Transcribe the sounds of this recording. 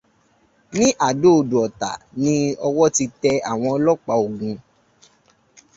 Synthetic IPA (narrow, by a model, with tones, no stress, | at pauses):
nĩ˦ʔa˦˨do˦o˨du˨ɔ˨ta̰˨nĩ˧˦ɔ˧wɔ˦ti˧tɛ˧a˦˨w̃ɔ̃˧ɔ˧lɔ˦k͡pa˧o˨ɡũ˧